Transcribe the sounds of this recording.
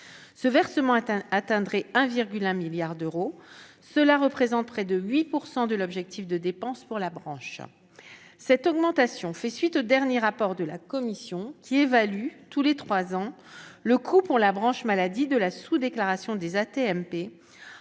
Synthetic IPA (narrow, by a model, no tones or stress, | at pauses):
səvɛʁsəmɑ̃at̪ɛ̃d̪ʁɛɛ̃viʁɡʲylɛ̃miljaʁd̪øʁo | səlaʁəpχezɑ̃t̪̚pχɛd̪əɥipuʁsɑ̃d̪əlɔbʒɛk̚t̪ifd̪əd̪epɑ̃spuʁlabʁɑ̃ʃ | sɛt̪ɔɡmɑ̃t̪asjɔ̃fɛsɥit̪od̪ɛʁnjeʁapɔʁd̪əlakɔmisjɔ̃kʲʰievalyt̪ulet̪χwazɑ̃ | ləkʰupuʁlabʁɑ̃ʃmalad̪id̪əlasud̪eklaʁasjɔ̃d̪ezat̪eɛmpe